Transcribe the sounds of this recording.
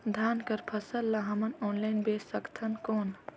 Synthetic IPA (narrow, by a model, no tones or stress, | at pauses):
d̪ʱaːnkɐɾpʰɐsəlːɐɦɐmɐnoːnlajnbeːsɐkt̪ʰɐnkoːn